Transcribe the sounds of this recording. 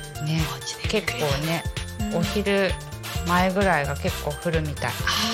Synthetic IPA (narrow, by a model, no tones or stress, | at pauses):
ne̞ke̞kːo̞ːne̞o̞çiɾɯ̟ | mae̞ɡɯ̟ɾaiɡake̞kːo̞ːɸɯ̟ɾɯ̟mʲit̪aḭ